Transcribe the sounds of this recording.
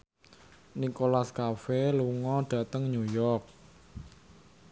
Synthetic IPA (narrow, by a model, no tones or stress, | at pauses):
nikolaskafeluŋɔɖ̥ä̤t̪əŋɲujɔrk̚